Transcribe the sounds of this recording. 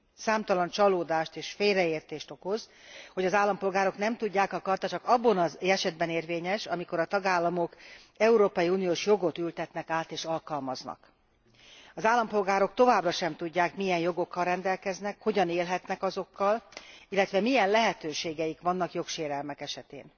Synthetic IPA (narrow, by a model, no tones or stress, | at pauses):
saːmt̪ɒlɒnt͡ʃɒloːd̪aːʃt̪eːʃfeːlrɛeːrt̪eːʃt̪o̞ko̞zho̞ɟɒzaːlːɒmpo̞lɡaːɾo̞knɛmt̪uɟːaːkɒkɒrt̪ɒt͡ʃɒkɒbːɒnɒzɛʃɛd̪̚bɛneːrveːɲɛʃɒmiko̞ɾɒt̪ɒɡaːlːɒmo̞k | ɛuɾoːpɒjiuːnijoːʃjo̞ɡo̞t̪ylt̪ɛt̪nɛkaːt̪eːʃɒlkɒlmɒznɒ̰k | ɒzaːlːɒmpo̞lɡaːɾo̞k̚t̪o̞vaːbrɒʃɛmt̪uɟːaːkmijɛnjo̞ɡo̞kːɒlrɛnd̪ɛlkɛznɛkho̞ɟɒneːlɦɛt̪nɛkɒzo̞kːɒlilːɛt̪ʋɛmijɛnlɛɦɛt̪øːʃeːɡɛjikʋɒnːɒkjo̞kʃeːɾɛlmɛkɛʃɛt̪ḛːn